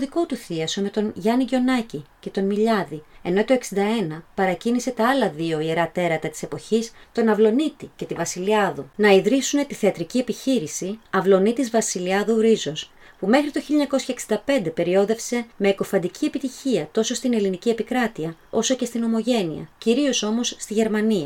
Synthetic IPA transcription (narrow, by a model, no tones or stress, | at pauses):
oðiko̞t̪uθiɐso̞me̞t̪o̞nʝɐniʝo̞nɐcice̞t̪o̞nmiʎɐðie̞no̞it̪oeksind̪ɐe̞nɐpɐɾɐcinise̞t̪ɐɐlɐðio̞ieɾɐt̪e̞ɾɐt̪ɐt̪i̥se̞po̞çist̪o̞nɐvlo̞nit̪ice̞t̪ivɐsiliɐðunɐiðɾisune̞t̪iθe̞ɐt̪ɾicie̞piçiɾisiɐvlo̞nit̪izvɐsiliɐðuɾizo̞s | pume̞xɾit̪o̞çiʎoɲɐko̞sçɐeksind̪ɐpe̞nd̪e̞pe̞ɾio̞ðe̞fse̞me̞ːkofɐd̪icʰie̞pit̪içiɐt̪o̞so̞st̪ine̞linicie̞pikɾɐt̪iɐo̞so̞ce̞st̪ino̞mo̞ʝe̞nḭɐ̰ciɾio̞so̞mo̞sːt̪iʝe̞ɾmɐniɐ